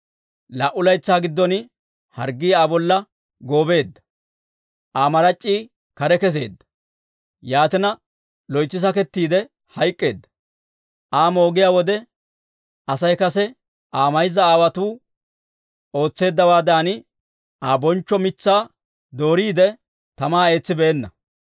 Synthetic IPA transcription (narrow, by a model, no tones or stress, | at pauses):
lɐʔʊlɐjt͡sːaːɡɪd̪ːɔnɪ | hɐɾɡːiːaːbɔlːɐ | ɡo̞ːbe̞ːd̪ːɐ̥ | ʔaːmɐɾɐt͡ʃʼːiː | kɐɾɛkɛs̬e̞ːd̪ːɐ̥ | jaːt̪ɪnɐ | lɔjt͡sːɪs̬ɐkɛt̪ːiːd̪ɛ | hɐjkʼːe̞ːd̪ːɐ̥ | ʔaːmo̞ːɡɪjaːwɔd̪ɛ | ɐsɐjkɐsɛ | ʔaːmɐjzɐaːwɐt̪uː | o̞ːt͡sːe̞ːd̪ːɐwaːd̪aːnɪ | ʔaːbɔnt͡ʃːɔmɪt͡sːaː | d̪o̞ːɾiːd̪ɛ | t̪ɐmaːe̞ːt͡sːɪbeːnːɐ